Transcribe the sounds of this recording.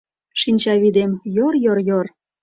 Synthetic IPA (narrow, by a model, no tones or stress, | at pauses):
ʃinʲt͡ɕɑβid̪emjorjorjor